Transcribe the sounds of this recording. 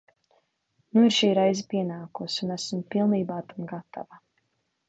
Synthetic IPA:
nuiɾʃiːɾajzipiɛnaːkusunæsmpilˠniːbaːt̪amɡat̪a̰va

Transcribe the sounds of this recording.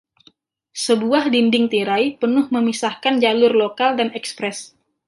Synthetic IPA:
səbuahdindɪŋt̪iɾajpənʊhməmisahkand͡ʒalʊrlokaldanɛkspɾɛs

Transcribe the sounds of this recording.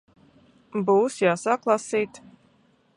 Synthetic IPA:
buːsjaːsaklˠasiːt̪

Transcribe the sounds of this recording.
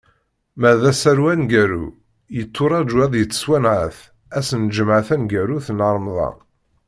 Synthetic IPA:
mæðæsæɾwænɡæɾṵ | jət̪ʰːʊɾˤɑd͡ʒwæðˤjət͡sːə̥swænʕə̰θ | æsənd͡ʒəmʕəθænɡæɾuθənəɾˤmðˤɑ̰

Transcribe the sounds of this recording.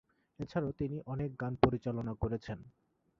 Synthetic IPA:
et͡ɕʰaɾat̪iniʔɔnek̚ɡanpoɾit͡ɕalonakoɾet͡ɕʰen

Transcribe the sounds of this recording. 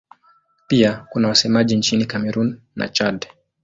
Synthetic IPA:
piakunawasɛmaʄint͡ʃinikamɛɾunːa̰t͡ʃad

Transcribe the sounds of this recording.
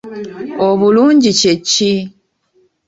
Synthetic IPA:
oβuluːɲɟicecːi

